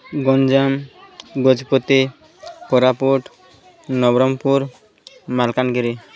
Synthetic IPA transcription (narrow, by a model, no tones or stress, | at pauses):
ɡɔnd͡ʒamɡod͡ʒpot̪i | kɔɾapuʈ | nɔbɾɔmpuɾ | malkanɡiɾi